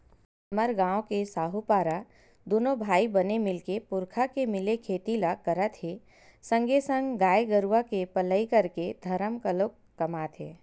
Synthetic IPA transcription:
ɐməɾɡãːõkesaːɦupaːɾa | d̪oːnobʱaːibənemɪlkepʊɾkʰakemɪlekʰeːt̪ilakəɾət̪ɦe | sə̃ŋɡesə̃ŋɡɡaːeɡəɾuʋakepələikəɾked̪ʱɐɾəmkəloːkːɐmaːt̪ɦeː

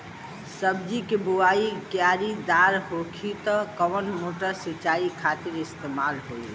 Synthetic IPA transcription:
səbd͡ʒikebuaikjaɾid̪aɾɦokʰit̪ɔkəʋənmoʈəɾsit͡ʃaikʰat̪iɾist̪emalɦoi

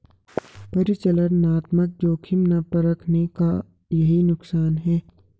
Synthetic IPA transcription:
pɐɾɪt͡ʃələɾnaːt̪mək̚d͡ʒoːkʰɪmnapɐɾɐkʰneka | jɐɦinʊksaːnɦɛː

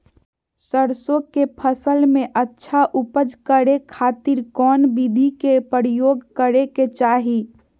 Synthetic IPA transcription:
səɾsõkepʰəsəlmẽʔətːʃʰaʔupəd͡ʒkəɾekʰaːt̪iɾkɔːnbid̪ʱikepəɾijoːɡkəɾeket͡ʃaɦi

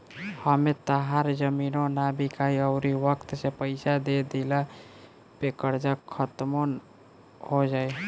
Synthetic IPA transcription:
həmet̪əɦaɾd͡ʒəminonabikaiəʊɾiʋəkt̪sepəɪsad̪ed̪ila | pekəɾd͡ʒakʰːət̪mən | hod͡ʒae

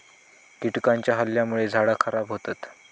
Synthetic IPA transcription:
ɡiʈkaɲt͡ɕjaɦəljamuɭed͡zʱaɽakʰəɾabɦot̪at̪

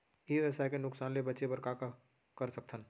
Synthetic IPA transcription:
iɛsakenʊksaːnlebɐtːʃebɐɾkaka | kəɾsɐk̚t̪ʰən

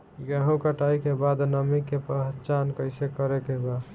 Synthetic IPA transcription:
ɡəɦũkəʈaikebad̪nəmikːepəɦt͡ʃankəɪsekəɾekebad̪

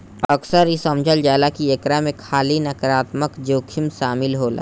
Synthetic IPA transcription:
ɐksəɾisəmd͡ʒʱəld͡ʒaːlakiekɾamẽkʰaːlinɐkɾaːt̪məkd͡ʒoːkʰimʃaːmɪlɦoːla̰ː

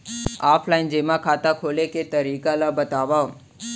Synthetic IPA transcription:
aːpʰlaɪnd͡ʒeːmãkʰaːt̪akʰoːleket̪əɾiːkalabət̪aːʋa

